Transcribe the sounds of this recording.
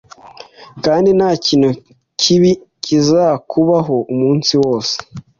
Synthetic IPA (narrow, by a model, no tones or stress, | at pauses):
kaːndinhaːciːnhu | cʰiβi | cizaːkʰuβaɦoumuːnsiwo̞ːse̥